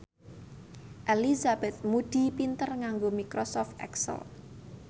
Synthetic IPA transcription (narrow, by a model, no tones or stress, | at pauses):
ʔelizab̥ɛt̪̚mud̪̥i̤pint̪ərŋaŋɡomikɾosɔft̪ɛ̰ksə̰l